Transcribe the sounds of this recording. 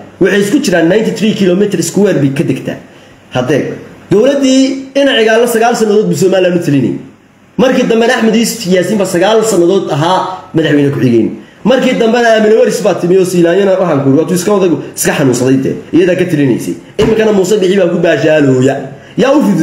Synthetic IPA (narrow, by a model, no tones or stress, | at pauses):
wʊħɑjɪskʰʊt͡ʃɪɾaːnːajnt̪ʰiθɾiːkʰɪlɔmɪt̪ʰɾɪskʰʊwɛːrbikʰːɐd̪ɛɡt̪ʰæ̰ː | hɐd̪ɛːd̪̥ɔwlɐd̪iːɪnɐʕɪɣaːlːɐsɐɣaːlsɐnːɐðɔːd̪bɪs̬ɔːmaːlɪlaːnʊt̪ʰɪlɪnɛ̰j | mɐrkʰiːd̪ɐmbɛdɐħmɐðiːst̪ʰɪjaːsiːmbasɐɣaːlsɐnːɐðɔːd̪ɐɦaːmɐðaħwɛjnɐkʰʊħɪɣɛ̰jn | mɐrkʰiːd̪ɐmbɛðɐaːmɪnɐwɐɾɪsbaːt̪ʰɪmɪjɔːsiːlaːjɐnɐwɑħaːŋkʰʊɾɪwhɐd̪uːɪskʰɐðɐɣʊɪ̥skʰɐħɑnuːnsɐðɛjt̪ʰɛ̰ːʔɪjɐðaːkʰɐt̪ʰɪlɪnɛ̰jsɛ̰j | ʔɪmɪŋkʰɐnɐmuːsɛbɪħiβaːkʰʊbaːʃaːlɔːjɐ | jaːʊfɪð